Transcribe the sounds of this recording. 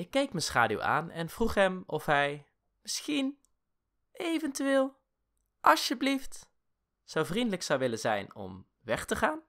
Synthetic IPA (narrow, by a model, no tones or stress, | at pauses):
ɪkːejkmənsχaːdyṵwʔa̰ːnɛ̰nv̥ruχɦɛmɔfɦɛj | mɪsχin | ʔejvɛntyʋeːlˠ | ʔɑsjəblift | z̥owvrindələksɑwʋɪlənzɛ̰jnɔ̰m | ʋɛχtəχaːn